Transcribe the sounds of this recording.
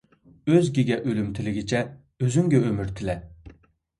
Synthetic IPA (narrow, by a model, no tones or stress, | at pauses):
øzɡʲiɡʲɛʔølymt̪ʰɪlɪɡʲit͡ʃʰɛ | øzyŋɡʲɛømyɾt̪ʰɪlɛ